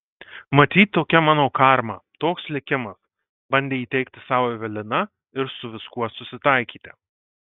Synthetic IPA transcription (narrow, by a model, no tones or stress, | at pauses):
mɐt̪ʲiːt̪ʲt̪ːoːkʲɛmɑːnoːkɑɾmɐt̪oːkslʲɪkʲɪmɐs | bɐnʲd̪ʲeːiːt̪ʲɛɪkt̪ʲɪsɑːʋoːʋʲɛlʲɪnɐ | ɪɾsʊʋʲɪskuɔsʊsʲɪt̪ɐɪkʲiːt̪ʲɪ